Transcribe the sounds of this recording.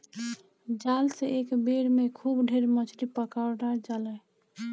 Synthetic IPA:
d͡ʒalseʔekbeɾmekʰubɖʱeɾmət͡ʃʰɾipəkaɾɖaɾd͡ʒalɛ

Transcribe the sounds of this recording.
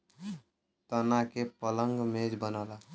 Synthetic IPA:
t̪ənakepələŋɡmed͡ʒbənala

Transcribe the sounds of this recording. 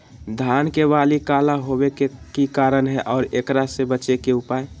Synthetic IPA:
d̪ʱaːnkebaːlikalaɦobekekikaːɾənɦɛʔɔːɾeːkɾasebət͡ʃekeʊpaːe

